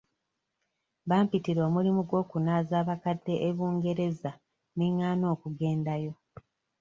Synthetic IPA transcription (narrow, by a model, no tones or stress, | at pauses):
βaːmpitiɾwamulimuɡwo̞ːkunaːzaːβakadːe̞ʔeβuːŋɡe̞ɾe̞za | niŋːaːno̞ːkuɡe̞ːndajo̞